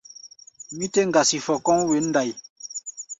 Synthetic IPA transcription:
mi˦te˦ŋ̩˨ɡa˨si˨fɔ˨kɔ˦ŋwe˨˦n̩˦da˨j

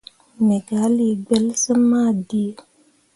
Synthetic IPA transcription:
mɛ˨ɡa˨˦li˦˨ɡ͡bɛ˦lsə˦ma˦˨di˦e˨

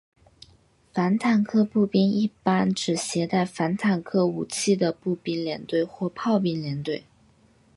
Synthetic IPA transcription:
fa˧˥nt̪ʰa˨˩nkʰɤ˥pu˥˩pi˥ni˥˩pa˥nʈ͡ʂɻ̩˨˩ɕjɛ˧˥t̪a˥˩ɪfa˧˥nt̪ʰa˨˩nkʰɤ˥u˨˩t͡ɕʰi˥˩d̪ə˩pu˥˩pi˥nljɛ˧˥nt̪we˥˧ɪxwɔ˥˧pʰɑ˥˧ʊpi˥˩nljɛ˧˥nt̪we˥˩ɪ

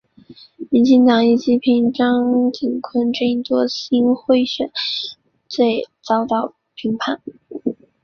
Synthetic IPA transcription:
mi˧˥nt͡ɕi˥˩ŋt̪ɑ˨˩ŋi˥˩t͡ɕi˧˥pʰi˧˥ŋʈ͡ʂɑ˥ŋt͡ɕi˨˩ŋkʰwə˥nʈ͡ʂɤ˥˧i˧˩t̪wɔ˥ɕi˥nxwe˥˧ɪɕɥɛ˨˩˦n | t͡swe˥˧ɪt͡sɑ˥ʊt̪ɑ˥˩ʊ | pʰi˧˥ŋpʰa˥˩˦n

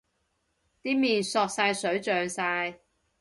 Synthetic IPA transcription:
t̪iː˥miː˨nsɔː˧k̚saː˧jsɵ˨˥ɥt͡ʃœː˨ŋsaː˧j

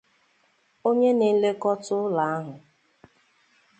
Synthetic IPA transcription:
o˦ɲe˦ni˦le˦kɔ˦tʊ˦la˨a˦ɦʊ˨

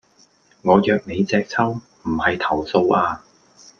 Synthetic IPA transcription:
ŋɔː˨˧jœː˨k̚ne˨˧jt͡sɛː˧k̚t͡sʰɐ˥w | m̩˨˩hɐ˨jt̪ʰɐ˨˩wso˧wʔaː˧

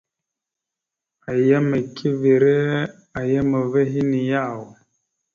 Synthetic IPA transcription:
a˨ja˦mə˨kʰi˦ve˨ɾe˦ | a˨jə˦mə˨ve˦ɦi˦ni˨ja˦˨w

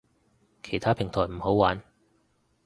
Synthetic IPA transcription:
kʰe˨˩jt̪ʰaː˥pʰɪ˨˩ŋt̪ʰɔː˨˩m̩˨˩ho˨˥wwaː˨˥n

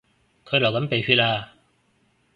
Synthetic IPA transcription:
kʰɤ˧˥la˨˩ka˨˥npe˨˩fʰiː˧˥laː˧

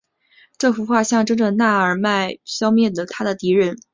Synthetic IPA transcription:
ʈ͡ʂɤ˥˩fu˧˥xwa˥˧ɕjɑ˥˧ŋʈ͡ʂɤ˥ŋʈ͡ʂə˨na˥˩ə˞˨˩ma˥˩ɪɕjɑ˥ʊmjɛ˥˩d̪ə˩t̪ʰa˥d̪ə˨t̪i˧˥ɻə˥˩n

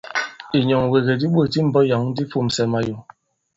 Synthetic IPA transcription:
i˨ɲɔ˨ŋwe˨ɣe˨di˦ɓwə˦˨ti˦m̩˨bɔ˦ja˨˦ŋ̩˦di˦fu˦˨m̩˨sɛ˨ma˨jo˨

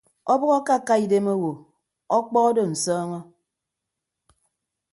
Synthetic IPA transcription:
ɔ˦bɔ˦ɣɔ˦ka˦˨ka˦i˨de˦mo˦wo˨ | ɔ˦k͡pɔ˦ɔ˦do˦˨n̩˨sɔː˦ŋɔ˦

